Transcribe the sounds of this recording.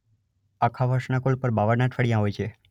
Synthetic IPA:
akʰaʋəɾʃnakolpəɾbaʋəɾnat̪fʰəɽijãɦojt͡ʃʰe

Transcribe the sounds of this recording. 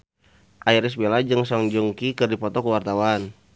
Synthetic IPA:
ʔaiɾis̬belad͡ʒəŋsɔŋd͡ʒuŋkikərdipɔt̪ɔkuwart̪awan

